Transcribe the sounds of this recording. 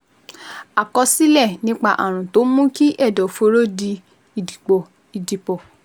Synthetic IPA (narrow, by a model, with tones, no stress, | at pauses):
a˨kɔ˧si˦lɛ˦˨nĩ˦k͡pa˧ʔa˨ɾ̃ũ˨to˨˦mũ˦ki˦ʔɛ˦˨dɔ˨fo˧˦ɾo˦˨di˧ | i˨di˨k͡pɔ˨ | i˨di˨k͡pɔ˨